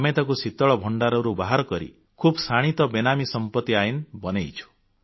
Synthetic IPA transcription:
met̪ɔkusit̪ɔɭɔbʱɔɳɖaɾɔɾubaɦaɾɔkɔɾḭ | kʰubsaɽ̃it̪ɔbenamisɔmpɔt̪ːiajnbɔnejt͡ʃʰu̥

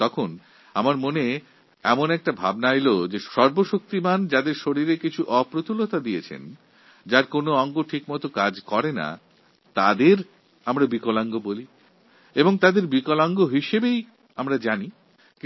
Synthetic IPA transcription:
t̪ɔkʰon | a̰maɾmone | ɛmonɛk̚ʈabʱa̰bnaelod͡ʑeʃɔɾboʃok̚t̪imand͡ʑad̪eɾʃoɾiɾekit͡ɕʰuʔɔpɾot̪ʰulot̪ad̪ijet͡ɕʰḛn | d͡ʑaɾkonoɔŋɡoʈʰikmɔt̪okad͡ʑkɔɾena̰ | t̪ad̪eɾ | amɾabikolaŋɡoboli | eboŋt̪ad̪eɾbikolaŋɡoɦiʃebej | amɾad͡ʑani

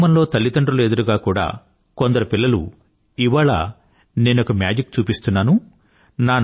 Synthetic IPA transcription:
mɐnlo̞ːt̪ɐlːit̪ɐɳɖɾulued̪ɐɾuɡaːkuːɽa̰ː | kond̪ɐɾɐpilːɐlṵ | iʋaːɭa̰ | ne̞ːnɔkɐmja̰ːd͡ʒikt͡ʃuːpist̪unːaːnu | naːn

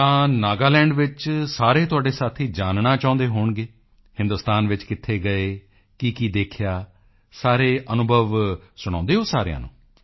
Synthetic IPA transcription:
t̪ãːnaːɡaːlɛ̃ːɳɖʋɪt͡ʃsaːɾeːt̪ʊaːɖeːsaːt̪ʰiːd͡ʒaːnnaːt͡ʃãːʊ̃nd̪eːɦoːɳɡeː | hɪ̃nd̪ʊst̪aːnʋɪt͡ʃkɪt̪ʰːeːɡəeː | kikiːd̪eːkʰɪjaː | saːɾeːʔənʊbʱəʋsʊɽ̃ãːnd̪eːɦoːsaːɾḛjã̰ːnṵ̃ː

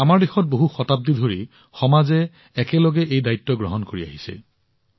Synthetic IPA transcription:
amaɹdexɔt̚boɦuxɔtab̚didʱoɹi | xɔmazɛː | kɛlɔɡɛʔejdajtːɔɡɹɔɦɔnkoɹia̰ɦisɛ̰

